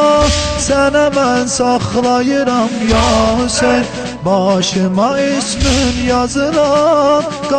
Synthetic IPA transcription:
sænamænsɑχlˠɑjɨɾɑmjɑsen | bɑʃɨmɑesmɪnjɑzɨlɑn | ɡ̥

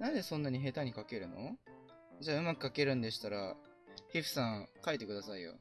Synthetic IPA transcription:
nad̪esõ̞nːaɲ̟iɦe̞t̪aɲ̟ikake̞ɾɯ̟no̰ | d͡ʑaːɯ̟makɯ̟̥kake̞ɾɯ̟̃nd̪e̞ɕi̥t̪aɾa | hiɸɯ̟̥sãŋkaet̪e̞kɯ̟d̪asaijo̰

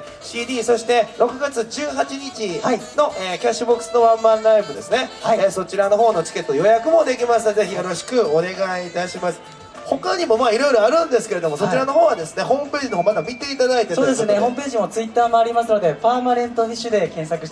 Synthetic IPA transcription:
ɕiːd̪ʲiːso̞ɕi̥t̪e̞ɾo̞kɯ̟ɡat͡sɨd͡ʑɨːɦat͡ɕiɲit͡ɕiaino̞ʔeːkʲaɕːɨbo̞kɯ̥sɨno̞βãmːãnɾaibɯ̟d̪e̞sɨne̞haiso̞t͡ɕiɾano̞ɦo̞ːno̞t͡ɕi̥ke̞t̪ːojo̞jakɯ̟mo̞d̪e̞kʲimasɨze̞çijo̞ɾo̞ɕi̥kɯ̟o̞ne̞ɡait̪aɕimasɨ̥ | ho̞kaɲ̟imo̞maːiɾo̞jɾo̞aɾɯ̟̃nd̪e̞sɨ̥ke̞ɾe̞d̪o̞mosot͡ɕiɾano̞ɦo̞ːβad̪e̞sɨne̞ho̞ːmɯ̟pe̞ːʑinooːmad̪amʲit̪e̞it̪ad̪ait̪esoːd̪esneho̞ːmɯpe̞ːʑimo̞t͡sɨit̪ːaːmo̞aɾʲimasɨno̞d̪e̞paːmaɾẽ̞nt̪o̞ɲ̟iɕɨd̪e̞kẽ̞ɰ̃sakɯ̟ɕt̪

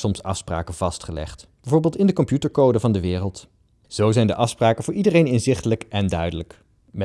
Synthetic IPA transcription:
sɔmsɑfspra̰ːkənv̥ɑstχəlɛ̰χtb̥ɛvʊːɹbɪːlˠtɪndəkɔmpjutəɹkowdəvɑndəʋɪːrəlˠt | z̥owzɛjndəʔɑfspraːkənvʊːɹʔidərejnɪnzɪχtələkʔɛndœɥdələk | mɛ

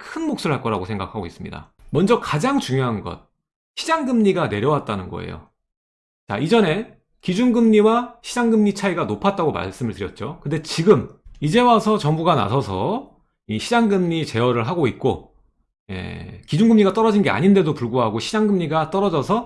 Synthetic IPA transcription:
kʰɯnmok̚s͈uɯɭɦaɭk͈ʌɾaɡosʰe̞ŋɡa̰kʰaɡois͈ɯmɲḭda̰ | mʌnd͡ʑʌkad͡ʑaŋt͡ɕuŋjoɦanɡʌ̰t̚ | ɕʰid͡ʑaŋɡɯmɲiɡane̞ɾjʌwat̚t͈anɯnɡʌ̰ḛjo̰ | t͡ɕa̰id͡ʑʌne̞ | kid͡ʑunɡɯmɲiwaɕʰid͡ʑaŋɡɯmɲit͡ɕʰaiɡanopʰat̚t͈aɡoma̰ɭs͈ɯmɯɭtɯɾjʌt̚t͡ɕ͈okɯnde̞t͡ɕiɡɯmid͡ʑe̞wasʰʌt͡ɕʌŋbuɡana̰sʰʌsʰʌ̰ | iɕʰid͡ʑaŋɡɯmɲit͡ɕe̞wʌɾɯɭɦaɡoit̚k͈o | je̞̰kid͡ʑunŋɡɯmɲiɡat͈ʌɾʌd͡ʑinɡe̞a̰ɲinde̞dopuɭɡuɦaɡoɕʰid͡ʑaŋɡɯmɲiɡat͈ʌɾʌd͡ʑʌsʰʌ

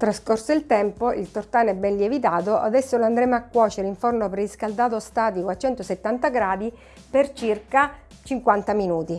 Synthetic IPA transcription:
t̪ɾaskorsoilt̪ɛmpoʔilt̪ort̪aːnɛbːɛnliɛvit̪aːt̪oʔa̰d̪ɛsːoloand̪ɾɛmakːwɔːt͡ʃeɾeiɱfornoperiskald̪aːt̪ost̪aːt̪ikoat͡ʃːɛnt̪oset̪ːant̪aɡɾaːd̪i | pert͡ʃirka | t͡ʃiŋkwant̪aminuːt̪i

